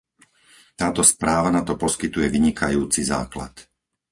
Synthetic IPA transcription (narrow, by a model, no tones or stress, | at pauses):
t̪aːt̪ɔspɾaːʋanat̪ɔpɔskit̪ujɛʋiɲikʰajuːt͡siza̰ːkla̰t̪